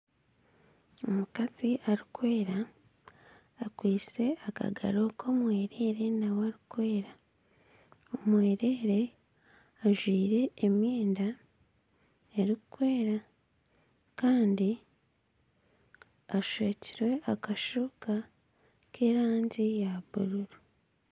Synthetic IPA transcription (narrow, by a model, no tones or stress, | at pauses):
omukaziʔaɾikwe̞ːɾa | kwiːt͡se̞aka̰ɡa̰ɾo̞ːkʰo̞ːmwe̞ːɾe̞ɾe̞naweaɾikwe̞ːɾa | omwe̞ːɾe̞ːɾe̞ | aʒwiːɾe̞ːmjeːnda | eɾikukwe̞ːɾa | kaːndi | aʃeːciɾwe̞ʔakaʃuːka | kʰe̞ːɾaːɲɟijaβuɾuɾu